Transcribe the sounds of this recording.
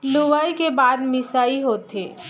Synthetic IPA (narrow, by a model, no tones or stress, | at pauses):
luʋaikebaːd̪mɪsaːiɦoːt̪ɦe